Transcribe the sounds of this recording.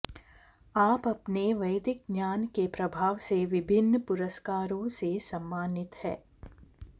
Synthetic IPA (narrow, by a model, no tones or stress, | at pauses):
aːpɐpneʋɐɪd̪ɪk̚njaːnkepɾɐbʱaːʋseʋɪbʱɪnːpʊɾəskaːɾõsesɐ̃mːaːnɪt̪hɛ̰ː